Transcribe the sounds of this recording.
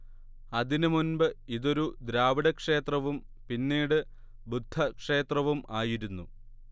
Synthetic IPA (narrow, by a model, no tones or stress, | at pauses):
ɐðinɨmunbɨiðo̞ɾud̪ɾaːʋiɽɐkʂe̞ːt̪rɐʋum | pinːiːɽɨ | bud̪ʱːɐkʂe̞ːt̪rɐʋumaːjiɾunːu